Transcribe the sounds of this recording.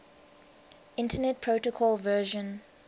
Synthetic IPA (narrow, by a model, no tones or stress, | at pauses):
ɪ̃ntʰənɛt̚pʰɹoʊtəkʰɔlvɜːʒə̃n